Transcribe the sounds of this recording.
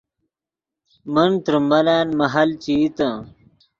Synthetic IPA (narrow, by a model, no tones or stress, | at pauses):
mənt̪ɾumbɐlaːnmɐɦɐlt͡ɕit̪ɐ̃